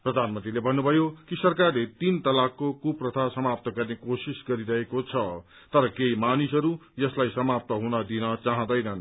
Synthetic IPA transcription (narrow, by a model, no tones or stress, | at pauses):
prʌd̪ʱanmʌnt̪rilebʱʌnːubʱʌjokisʌrkarlet̪int̪ʌlakːokuprʌt̪ʰasʌmap̚t̪ʌɡʌrnekosisɡʌɾiɾʌɦekot͡sʰʌ | t̪ʌɾʌkeimanisʌɾujʌslajsʌmap̚t̪ʌɦunʌd̪inʌt͡saɦʌ̃d̪ʌjnʌn